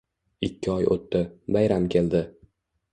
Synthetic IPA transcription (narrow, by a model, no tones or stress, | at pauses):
ɪkʲʰːɪɒjʔo̰t̪ːɪbajɾamkʲʰe̞ld̪ɪ